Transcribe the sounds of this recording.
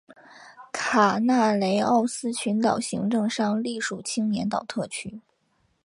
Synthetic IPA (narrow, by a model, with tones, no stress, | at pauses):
kʰa˨˩na˥˩le˧˥ɪɑ˥˩ʊsɹ̩˥ɕʰy˧˥nt̪ɑ˨˩ʊɕi˧˥ŋʈ͡ʂɤ˥˧ŋʂɑ˥˧ŋli˥˩ʂu˨˩t͡ɕʰi˥ŋnjɛ˧˥nt̪ɑ˨˩ʊt̪ʰɤ˥˩t͡ɕʰy˥